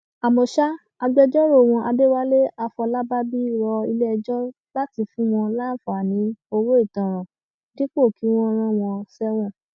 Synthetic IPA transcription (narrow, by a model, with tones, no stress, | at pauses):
a˨mɔ̃˨ʃa˦ | a˧ɡ͡bɛ˧d͡ʒɔ˦ɾo˦˨wɔ̃˧ʔa˧de˦wa˦le˦a˧fɔ˧la˦ba˦bi˦ɾɔ˧i˧lɛ˦˧d͡ʒɔ˦ | la˦ti˧fũ˦w̃ɔ̃˧la˦˨fa˨nĩ˨˦o˧wo˦i˦˨tã˨ɾ̃ã˨ | di˦k͡po˦˨ki˨˦w̃ɔ̃˦˧ɾ̃ã˦w̃ɔ̃˧sɛ˦w̃ɔ̃˦˨